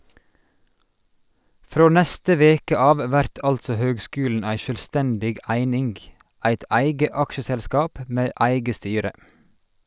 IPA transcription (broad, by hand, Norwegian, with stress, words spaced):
ˈfɾoː ˈnæstə ˈʋeːkə ˈɑːʋ ˈʋæɾt ˈɑltsɔ ˈhøːɡˌskʉːln̩ ˈæɪ ˌʃøːlˈstɛndɪɡ ˈæɪnɪŋɡ ˈʔæɪt ˈæɪɡə ˈɑkʃəsɛlˌskɑːp ˈmeː ˈæɪɡə ˈstyːɾə